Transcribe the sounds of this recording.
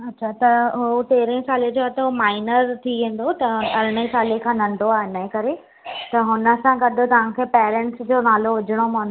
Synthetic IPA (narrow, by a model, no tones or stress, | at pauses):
ɐtːɕʰat̪ɐɦʊt̪eːɾẽsaːled͡ʑoaːt̪ɐɦʊmaːɪnəɾt̪ʰiʋẽːn̆d̪ot̪ɐɐɾɪɽ̃əisaːlekʰãːnɐ̃ɳɖoaːɦɪnəɦẽkɐɾe | t̪ɐɦʊnə̆sãɡɐɗ̆ʱt̪ɐʋ̤ãkʰeːpɛːɾɛ̃ɳʈsd͡ʑoːnaːloʋʊd͡ʑʱɪɽ̃om̃ːnd̪o